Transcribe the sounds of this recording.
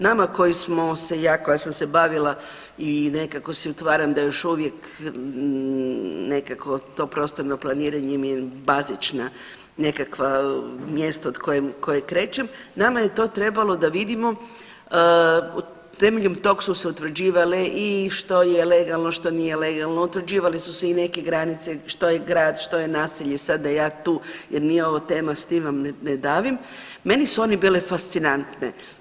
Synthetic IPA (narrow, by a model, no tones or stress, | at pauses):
namako̞jismo̞se̞jaːko̞jasamse̞baʋila | inekako̞siut̪ʋaːɾamd̪ajo̞ʃuʋje̞k | ne̞kako̞t̪o̞pɾo̞st̪o̞ɾnoplˠaniːɾaɲemjebazit͡ʃna | ne̞kakʋamjest̪ood̪ko̞jemko̞jekɾe̞ːt͡ʃemnamaje̞t̪o̞ːt̪ɾe̞balˠo̞d̪aʋid̪imo̞ | u | t̪e̞meʎemt̪o̞ksuseut̪ʋr̩d͡ʑiːʋaleʔiʃt̪o̞jele̞ɡalˠnoʃt̪o̞niːjeleɡalˠnout̪ʋr̩d͡ʑiːʋalisuseine̞keɡɾanit̪seʃt̪o̞jeɡɾaːd̪ʃt̪o̞jenaːsiʎesad̪d̪ajaːt̪uːjeɾnijeo̞ʋot̪e̞ːmast̪imʋamnned̪aːʋim | me̞nisuo̞nibiːlefast̪sinant̪ne